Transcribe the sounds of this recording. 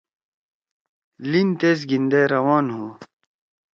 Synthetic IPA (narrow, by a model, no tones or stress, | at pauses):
lint̪eːz̬ɡind̪eɾɐwaːnɦuː